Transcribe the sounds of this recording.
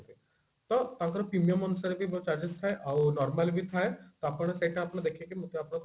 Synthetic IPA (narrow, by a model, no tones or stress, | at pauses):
t̪e | t̪ət̪ãkəɾpɾimjəmənsəɾbʱibot͡ɕaɾd͡ʑist̪ʰajʔawnɔɾmalbʱiːt̪ʰajt̪ɔapəɳseʈʰaapɳ̃əd̪ekʰekimət̪eapɳ̃k